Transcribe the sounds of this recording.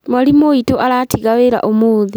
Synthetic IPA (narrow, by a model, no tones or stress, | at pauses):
maɾimoitoʔaɾatiɣaweːɾa̰ʔomoːði